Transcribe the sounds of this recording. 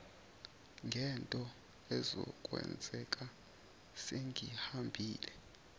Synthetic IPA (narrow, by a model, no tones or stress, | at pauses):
ŋɡʱɛntʼɔ | ɛzɔ̰kʼwɛ̰nd͡zʱɛkʼa | seŋʱihambʱiːlɛ